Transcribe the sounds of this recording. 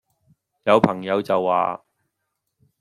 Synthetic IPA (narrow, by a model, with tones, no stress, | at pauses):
jɐ˨˧wpʰɐ˨˩ŋjɐ˨˧wt͡sɐ˨wːa̰ː˨